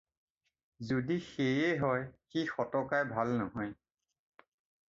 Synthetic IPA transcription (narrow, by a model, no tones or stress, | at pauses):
zodixejeɦɔjxixɔtɔkajbʱalnɔɦɔj